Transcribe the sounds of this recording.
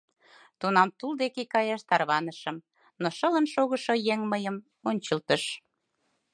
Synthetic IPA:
t̪unɑmt̪uld̪ekekɑjɑʃt̪ɑrβɑnəʃəm | noʃələnʃoɣəʃojeŋməjəm | onʲt͡ɕəlt̪əʃ

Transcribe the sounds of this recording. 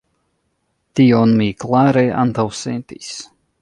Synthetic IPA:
t̪iɔnmiːklˠaːɾɛja̰nt̪awsɛnt̪ḭːs

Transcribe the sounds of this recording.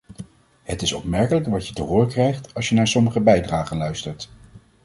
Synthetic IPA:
hətɪsɔpmɛɹkələkʋɑtjətəɦʊːrkrɛjχtɑlˠsʃjənaːɹsɔməχəbɛjdraːχənlœɥstəɹt

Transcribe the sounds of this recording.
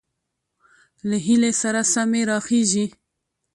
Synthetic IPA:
laɦilesaɾasameɾɑxeʒi

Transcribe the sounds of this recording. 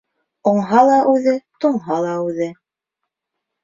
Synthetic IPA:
ŏɴɦɑlˠɑʔʉðɘt̪ŏɴɦɑlˠɑʉðɘ

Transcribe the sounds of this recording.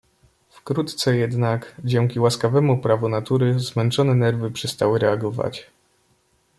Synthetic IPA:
fkɾut̪t̪sɛjɛd̪nakd͡ʑɛŋkʲiwaskavɛmupɾavunat̪uɾɘzmɛnt͡ʂɔnɛnɛɾvɘpʂɛst̪awɘɾɛaɡɔva̰t͡ɕ

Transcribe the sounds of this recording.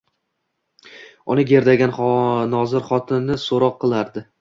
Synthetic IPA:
ʊnɪɡʲe̞ɾd̪aɡʲanχnɒzɪɾχɒt̪ʰɪnːɪsoɾɒqʰːɨlˠaɾd̪ɪ

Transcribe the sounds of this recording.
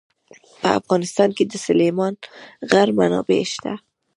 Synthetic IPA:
pəa̰fɣɑnɪst̪ɑnked̪əsʊlemɑnɣaɾmanɑ̰bḛʃt̪a̰

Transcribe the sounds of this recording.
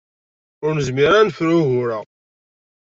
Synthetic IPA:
ʊɾnəzmiɾanfɾuʝʊɾəʁ

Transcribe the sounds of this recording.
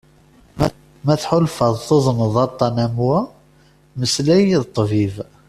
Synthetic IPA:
mæθħʊlfəðˤθoðˤnəðˤɑt̪ˤːɑnæmwæ | məslæjiðt̪ˤːviv

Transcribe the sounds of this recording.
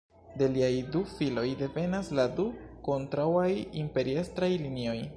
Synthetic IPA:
de̞liajdufilo̞jde̞ve̞nasladuko̞ntɾawajimpe̞ɾiestɾajlinio̞j

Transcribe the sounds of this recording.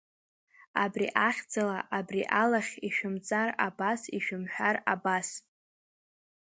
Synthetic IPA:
a̰brḭʔaχʲd͡zalaʔabriʔalaχʲiʃᶣʊmt͡sʼarabasiʃᶣɪmħᶣarabas

